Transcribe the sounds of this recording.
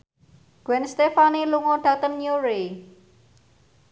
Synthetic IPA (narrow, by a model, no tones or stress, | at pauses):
ɡ̥wɛnst̪efaniluŋoɖ̥a̤t̪ənjuɾe